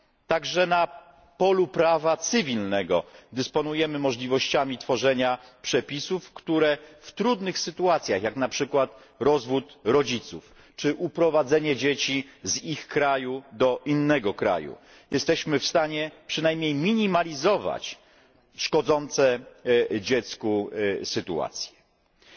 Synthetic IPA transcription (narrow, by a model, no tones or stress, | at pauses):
t̪aɡʐɛna | pɔlupɾavat̪sɨvʲilnɛɡɔ̰d̪ɘspɔnujɛmɘmɔʐlʲivɔɕt͡ɕamʲit̪fɔʐɛɲapʂɛpʲisufkt̪uɾɛft̪ɾud̪nɘxsɘt̪uat̪sʲjaxjaknapʂɘkwat̪ | ɾɔzvut̪ɾɔd͡ʑit̪sṵf | t͡ʂɘʔupɾɔvad̪zɛɲɛd͡ʑet͡ɕizixkɾajud̪ɔʔinːɛɡɔkɾa̰jṵ | jɛst̪ɛɕmɘfst̪aɲɛpʂɘnajmɲejmʲiɲimalʲizɔva̰t͡ɕ | ʂkɔd̪zɔnt̪sɛ | d͡ʑɛt̪skusɘt̪ṵa̰t̪sʲjɛ̥